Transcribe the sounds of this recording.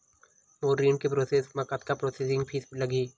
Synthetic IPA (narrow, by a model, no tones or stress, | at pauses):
moːɖɾinkepɾoːseːsmɐkat̪kapɾoːsesɪ̃ŋɡpʰisblɐɡiː